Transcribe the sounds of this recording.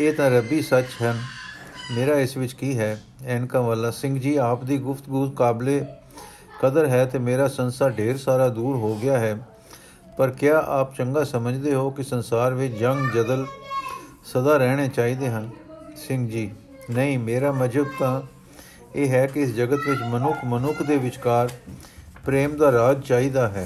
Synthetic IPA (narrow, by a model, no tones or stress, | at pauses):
eːt̪ãːɾəbiːsət͡ʃɦən | meːɾaːɪsʋɪt͡ʃkiːɦɛː | ɛːnkãːʋaːlaːsɪ̃ŋɡd͡ʒiːaːpd̪iːɡʊfʰt̪ɡuːt̪̚kaːbleː | kəd̪əɾɦɛːt̪eːmeːɾaːsənsaːɖeːɾsaːɾaːd̪uːɾɦoːɡɪjaːɦɛː | pəɾkɪjaːʔaːpt͡ʃəŋɡaːsəməd͡ʒd̪eːɦoːkɪsənsaːɾʋɪt͡ʃd͡ʒəŋɡd͡ʒəd̪əl | səd̪aːɾɛːɽ̃eːt͡ʃaːiːd̪eːɦãːnsɪ̃ŋɡd͡ʒiː | nəĩːmeːɾaːməd͡ʒəb̚t̪ãː | eːɦɛːkɪɪsd͡ʒəɡət̪ʋɪt͡ʃmənʊkʰmənʊkʰd̪eːʋɪt͡ʃkaːɾpɾeːmd̪aːɾaːd͡ʒt͡ʃaːiːd̪aːɦɛː